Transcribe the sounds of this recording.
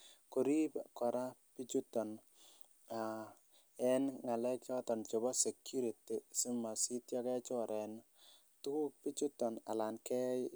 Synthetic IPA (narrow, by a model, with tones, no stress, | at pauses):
ko˨ɾi˦pkɔ˨ɾa˦pi˦t͡ʃu˦tːɔ˨n | a˨ | ɛ˦nŋa˨lɛ˦kjɔ˦tɔ˨nt͡ʃɔ˨bɔ˦se˨kju˦ɾi˨ti˨si˦ma˨si˦tjɔ˦kɛ˦t͡ʃɔ˦ɾʔɛ˨n | tu˦ku˦k̚pi˦t͡ʃu˦tːɔ˨na̰˨la˨nkɛ˦